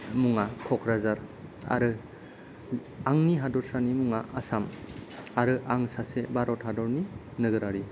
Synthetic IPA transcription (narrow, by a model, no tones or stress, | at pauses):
muŋakʰɔkʰɾazaɾa̰ɾɯ | aŋniɦadɔɾsanimuŋaʔasamaɾɯʔaŋsasebaɾɔthadɔɾninɯɡɯɾaɾi